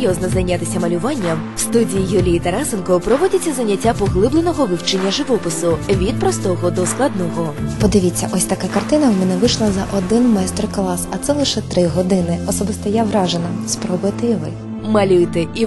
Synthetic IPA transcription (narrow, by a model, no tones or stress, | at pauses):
jɔznɔzɐjnʲat̪ɪsʲɐmɐlʲʊʋɑnʲːɐmwst̪udʲijijulʲijit̪ɐɾasɪnkɔpɾɔʋɔdʲɐt͡sʲːɐzɐwnʲːɐtʲːapɔɣlˠɪblˠenɔɣɔʋɪwt͡ʃenʲːɐʒɪʋɔpɪsʊʋʲid̪̚pɾɔst̪ɔɣɔd̪ɔsklˠɐd̪nɔɣɔpɔd̪ɪʋʲit͡sʲːɐʔɔsʲt̪ɐkakɐrt̪ɪnɐwmʲɛnɛʋɪʃlˠɐzɐʔɔd̪ɪnmɛjst̪rklˠɑsɐt̪sɛlˠɪʃɛt̪ɾɪɦɔd̪ɪnɪɔsɔbɪst̪ɐjaʋɾɑʒenɐspɾɔbʊjt̪ɪjʋɪ̰x | mɐlʲujt̪eʔi